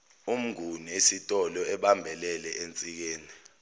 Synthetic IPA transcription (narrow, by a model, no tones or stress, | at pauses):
um̩ɡʱuniesitʼɔlɔɛɓambʱɛlɛlɛʔent͡sʼik̬eːni